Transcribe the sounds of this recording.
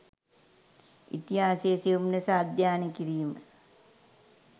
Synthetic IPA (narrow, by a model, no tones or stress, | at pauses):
ḭt̪iɦaːseːsiumnɐsaːd̪ʱjaːnikiɾiːmə